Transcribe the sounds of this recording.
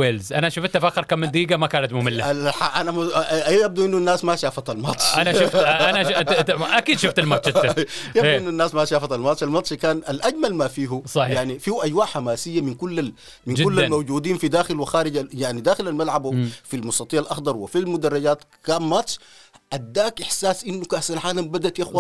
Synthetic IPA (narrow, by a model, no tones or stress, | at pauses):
eːlzʔanaʃʊfat̪ːafaːxɑɾˤkaːmːɪnd̪iːɡamakaːnat̪mʊmɪlːaaħaʔanamjab̚d̪uʔinːunːaːsmaʃaːfat̪almɑt̪ˤʃanaʃʊfanaʔakiːd̪ʃʊft̪almɑt̪ˤʃtːjad̪ʔinːunːaːsmaʃaːfat̪almɑt̪ˤʃalmɑt̪ˤʃkaːnalʔaɟmalmafiːɦusˤɑjaʕnifiːhʔaɟwaːʕħamaːsijːaminkulːa | mind͡ʒkulːamawd͡ʒuːd̪iːnfid̪aːxilwɪxaːɾiɟajaʕnid̪aːxilalmalʕabfilmʊst̪ɑt̪iːʕalʔɑxd̪ˤɑɾˤwifilmʊd̪ɑrˤːɑɟaːt̪kaːnmɑt̪ˤʃʔad̪ːaːkʔɪħsaːsʔinːukahsalʕaːlambad̪at̪jaxwa